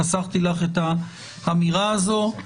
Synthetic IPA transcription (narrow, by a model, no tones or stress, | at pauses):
asaχt̪ilaχeta | hamiʁaːzo̞